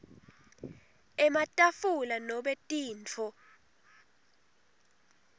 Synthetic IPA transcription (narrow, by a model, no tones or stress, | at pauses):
ɛmatʼafulanɔɓɛtʼiːnt͡fʰɔ